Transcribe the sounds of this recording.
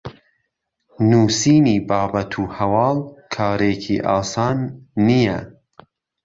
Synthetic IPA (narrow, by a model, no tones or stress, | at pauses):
nuːsiːniːbɑːbɐt̪ʰuːhɐwɑːlkʰɑːɾeːcʰḭʔɑːsɑːnːijɛ̰